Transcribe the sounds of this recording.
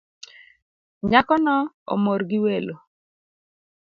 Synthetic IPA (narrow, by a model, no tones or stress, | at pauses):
ɲakɔnɔ | o̰morɡɪwelo